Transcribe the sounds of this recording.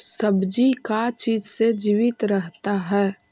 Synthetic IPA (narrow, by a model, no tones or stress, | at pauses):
səbd͡ʒikat͡ʃiːd͡ʒsed͡ʒiːʋɪt̪ɾəɦt̪aɦɛː